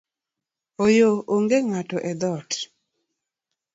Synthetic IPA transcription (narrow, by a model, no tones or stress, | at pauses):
ojooŋɡeŋatɔʔɛd̪ɔt